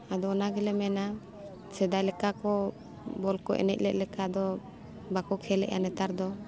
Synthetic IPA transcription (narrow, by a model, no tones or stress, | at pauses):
ad̪ɔɔnaɡɛlɛmɛna | sɛd̪ajlɛkakɔ | bɔlkɔ̰ʔɛ̰nɛ̰t̪̚lɛʔ̪̚lɛkad̪ɔ | bakɔkʰɛlɛ̰ʔja̰nɛt̪aɾd̪ɔ